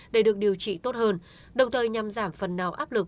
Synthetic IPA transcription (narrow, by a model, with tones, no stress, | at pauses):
ɗe˧˩ɗɨ˨˩ək̚ɗi˨˩əwt͡ɕḭ˧˨t̪o˦˥t̚həː˧n | ɗə˨˩wŋ͡mt̪ʰəː˨˩jɲa˨˩mzaː˧˩mfə˨˩nːaː˨˩wʔaː˦˥p̚lɨ˨˩k̚